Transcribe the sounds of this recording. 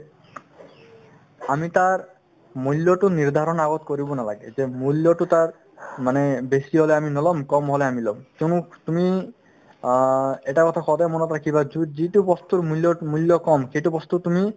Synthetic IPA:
amit̪aɾ | mulːjɔʈuniɾd̪ʱaɾɔnaɡɔt̪koɾibɔnalaɡezemuljɔʈut̪aɾ | manebesiɦɔleaminɔlɔmkɔmɦɔleamilɔmkenut̪umi | eʈakɔt̪ʰakʰɔd̪amɔnɔt̪ɾakʰibad͡ʒud͡ʑiʈupɔst̪uɾmuljɔmuljɔkɔmkeʈupɔst̪ut̪umi

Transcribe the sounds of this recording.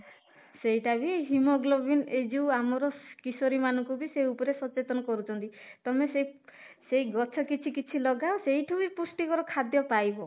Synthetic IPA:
seɦiʈabieɦimɔɡlɔbined͡ʒuwamɔɾɔkisɔɾimanɔŋkubiseupɔɾesɔt͡ʃet̪ɔnɔkɔɾut͡ʃʰɔnt̪it̪ɔmeseisejɡɔt͡ʃʰɔkit͡ʃʰikit͡ʃʰilɔɡaosejʈʰubipusʈikɔɾɔkʰad̪jɔpajbɔ

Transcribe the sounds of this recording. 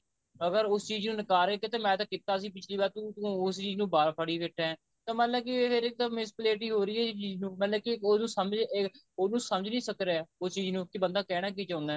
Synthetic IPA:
əɡəɾʊst͡ʃiːznũːnɪkaːɾeːkɪt̪eːmɛ̃ːt̪ãːkɪt̪ːaːəsĩːp̬ɪt͡ʃʰliːbaːɾt̪uːt̪ːʊst͡ʃiːznũːbaːɾpʰəɽiːʋɪʈʰːɛ̃ | t̪ãːmaːləb̚kiːpʰɪɾɪk̚d̪ãːmɪspleːʈiːɦoːɾiːɛːt͡ʃiːznũːmɛ̃ləbkionũːsəməd͡ʒ | oːnũːsəməd͡ʒnĩːsəkɾeɛːʊst͡ʃiːznũːkɪbənd̪aːkɛːɽ̃aːk̬iːt͡ʃãːnd̪aː

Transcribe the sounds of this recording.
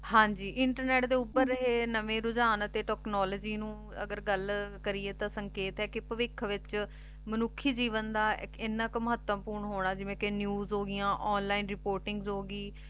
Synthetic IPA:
ɦãːɲd͡ʒiːʔɪɳʈəɾnɛːʈd̪eːʊpːəɾːəɦeːnəʋẽːɾʊd͡ʒaːnət̪eːʈɛːknɔːləːd͡ʒiːnũː | ə̰ɡəɾɡəlkəɾiːeːt̪ãːsəŋkeːt̪ɛːkɪpəʋɪkʰːʋɪt͡ʃ | mənʊkʰːiːd͡ʒiːʋənd̪aːɪkɪnːãːkməɦət̪ːəmpuːɾɳɦoːɳ̃aːd͡ʒɪʋẽːkenjuːzɦoːɡɪjãːʔɔːnlaːinɾɪpoːɾʈɪŋɡzɦoːɡiː

